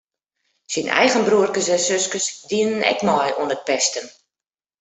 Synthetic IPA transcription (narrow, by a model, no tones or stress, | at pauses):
sinʔɛ̰jɣənbruərkəsɛsøskəsdiənənɛ̰kmɔjuənət̚pɛstən